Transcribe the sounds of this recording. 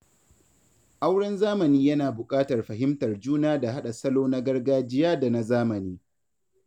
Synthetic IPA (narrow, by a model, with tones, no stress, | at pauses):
ʔa˦wɽɐ˦nzaː˦mɐ˨niː˦jɐ˦naː˨bʊ˨kʼaː˦tɐ˨rɸɐ˨hɪ˦mtɐ˨rd͡ʒuː˦naː˦da˨ɦa˦ɗa˨sɐ˦loː˦na˦ɡɐ˦rɡaː˦d͡ʒɪ˦jaː˦da˨na˦zaː˦mɐ˨niː˦